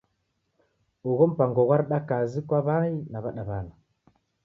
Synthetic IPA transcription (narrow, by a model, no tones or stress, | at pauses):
uɣɔm̩paŋɡɔɣwaɾiɗakazikwaβainaβaɗaβana